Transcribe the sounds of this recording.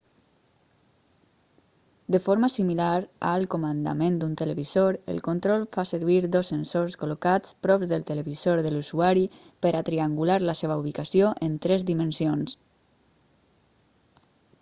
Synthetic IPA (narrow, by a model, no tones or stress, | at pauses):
d̪əfoɾmasimilaɾa̰lˠkomənd̪a̰mẽnd̪unt̪ələβizoɾə̰lˠkont̪ɾɔlˠfasəɾβiɾd̪ɔsːənsorskolokat͡spɾɔbzðəlˠt̪ələβizoɾðəluzuaɾi | pəɾat̪ɾiaŋɡulaɾləseβ̞auβikasioʔənt̪ɾɛzd̪imənsions